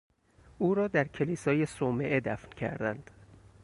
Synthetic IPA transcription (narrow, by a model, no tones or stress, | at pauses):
ʔuːɾɒːd̪æɾcʰe̞liːsɒːje̞someʔed̪æfncʰæ̰ɾd̪ænd̪̥